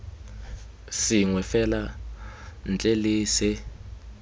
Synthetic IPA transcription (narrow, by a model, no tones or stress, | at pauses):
sɪŋwɛfɛla | n̩t͡ɬʼeliːsɪ